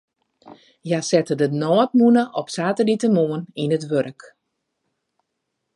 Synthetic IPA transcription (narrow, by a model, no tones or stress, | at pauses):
jasɛtədənɔːət̚munəʔɔpsaːtəlitəmoəninətʋøɾək